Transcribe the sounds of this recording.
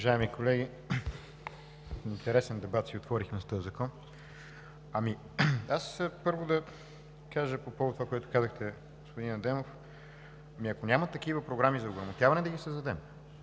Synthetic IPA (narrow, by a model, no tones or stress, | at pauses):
ʊɐʒaɛmikolɛɡʲi | int̪ɛɾɛsɛnd̪ɛbat̪siot̪vɔɾixmɛst̪ɔjəzɐkɔn | ɐmi | aspɤɾvod̪ɐ | kaʒəpopɔvod̪t̪ːovakoɛt̪ʊ̥kazəxt̪ɛ | ɡospʊd̪inɐd̪ɛmof | ɐmiɐkonʲamɐt̪ɐk̟ivəpɾoɡɾamizɐoɡɾɐmot̪ʲjavɐnɛd̪ɐɡisəzd̪ɐd̪ɛm